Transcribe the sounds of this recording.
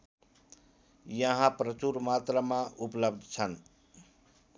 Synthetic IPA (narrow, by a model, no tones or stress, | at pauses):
jəɦãpɾət͡ʃuɾmat̪ɾəmãʔupləbd̪ʱt͡sʰən